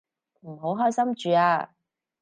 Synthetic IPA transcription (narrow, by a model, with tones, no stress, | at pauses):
m̩˨˩ɦo˨˥wɦɔː˥jsɐ˥mt͡ʃyː˨a̰ː˧